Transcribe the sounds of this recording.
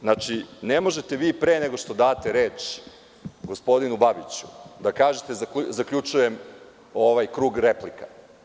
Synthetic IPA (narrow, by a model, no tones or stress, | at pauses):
znaːt͡ʃine̞mo̞ʒe̞t̪e̞ʋiːpɾeːne̞ɡo̞ʃt̪o̞d̪aːt̪e̞ɾeːt͡ʃ | ɡo̞spo̞d̪inubabit͡ɕu̥d̪akaːʒet̪e̞zakuzakʎʲut͡ʃuje̞m | oʋajkɾuːɡɾeplikḁ